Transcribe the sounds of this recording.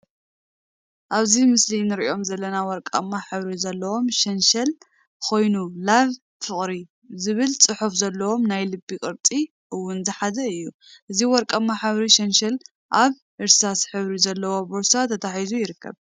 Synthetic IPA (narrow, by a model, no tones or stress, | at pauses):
ʔaβzimɨslinɨɾiʔio̞mzɐlːɐnawɔɾkʼɐ̰mːaħɨβɾizɐlːɐwo̞mʃɐnʃɐl | kʰo̞jnulaβ | fɨχʼɾi | zɨβɨlt͡sʼɨħufzɐlːɐwo̞mnajlɨbːikʼɨɾt̪ʼi | ʔɨwːʊnzɨħazɐɨjːu | ʔɨziwɔɾkʼamːaħɨβɾiʃɐnʃɐl | ʔaβ | ʔɨɾsasħɨβɾizɐlːɐwo̞boɾsat̪ʰɐt̪ʰaħizujɪɾɨkːɐ̰β